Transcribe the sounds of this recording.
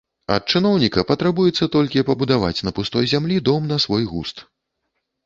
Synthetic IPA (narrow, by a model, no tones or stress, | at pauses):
ɐ̰t̪̚t͡ʂɨnɔwnʲikɐpɐt̪ɾabujɛt̪sːɐt̪ɔlʲkʲipɐbud̪ava̰t͡sʲnɐpust̪ɔjzʲamlʲid̪ɔmnɐsvɔjɣṵst̪